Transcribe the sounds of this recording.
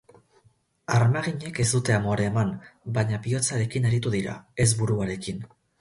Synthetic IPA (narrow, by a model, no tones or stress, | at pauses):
aɾmaɣiɲe̞ke̞zd̪ut̪e̞amo̞ɾe̞ːmanbaɲapio̞t͡saɾe̞kineɾit̪uðiɾa̰e̞zβuɾuaɾe̞kin